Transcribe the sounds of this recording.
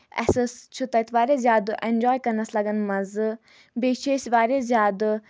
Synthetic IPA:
ɛ̰sɐst͡ʃʰut̪ɐt̪ʋaːɾʲezjaːd̪ʔend͡ʒɔːjkɐnɐslɐɡɐnmɐz | beːt͡ʃʰeːsʋaːɾezjaːd̪

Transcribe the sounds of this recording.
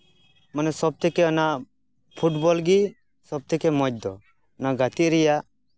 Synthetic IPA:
manɛsɔb̚t̪ʰɛkɛɔnaʔ | pʰuʈbɔlɡi | sɔb̚t̪ʰɛkɛmɔd͡ʒ̚d̪ɔ | naʔɡat̪iʔɾɛjaʔ

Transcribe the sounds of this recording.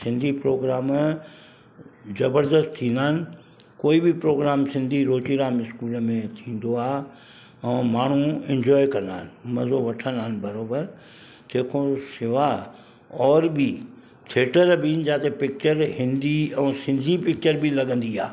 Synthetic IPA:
sɪ̃nd̪ʱipɾoːɡɾaːm | zɐbəɾd̪əst̪ʰĩːnd̪aːnɪ̆ | koːibʱipɾoːɡɾaːmsɪ̃nd̪ʱiɾoːt͡ʃiɾaːmɪskuːlmẽt̪ʰĩːn̆d̪oaː | ɛ̃ːmaːɳ̤uɛ̃ɲd͡ʒɔːjkɐɾnd̪aːnɪmɐzoʋɐʈʰənaːnbɐɾoːbəɾ | t̪eːkʰõsɪʋa | ɔːɾbʱi | t̪ʰeːʈəɾbʱiːnd͡ʒaːt̪epɪk̚t͡ʃəɾhɪ̃nd̪iɛ̃ːsɪ̃nd̪ʱipɪk̚t͡ʃəɾbʱilɐɡə̃nd̪ia̰ː

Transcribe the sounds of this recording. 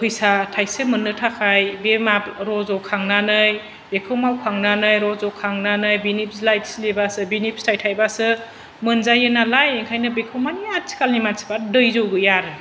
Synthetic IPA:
pʰɯjsatʰajsɯmɯnːɯtʰakʰajbemaɾɔzɔkʰaŋnanɯj | bekʰɯwmawkʰaŋnanɯjɾɔzɔkʰaŋnanɯjbinip̚ʰslajtslebasɯbinipstʰajtʰajbasɯ | mɯnzajɯnalajeŋkʰajnɯbekʰɯwmaniat̚sʰi̥kalnimatsʰi̥badɯjzowɡɯjaɾɯ

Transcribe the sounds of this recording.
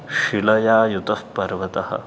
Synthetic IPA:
ʃilɐjaːjut̪ɐfpɐɾʋɐt̪ɐhɐ̰̆

